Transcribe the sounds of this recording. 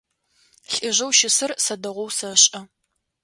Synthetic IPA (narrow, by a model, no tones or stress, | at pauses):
ɬʼɪʑɐwʃɪsɨrsɐdɐʁʷɔwsɐɕʼɐ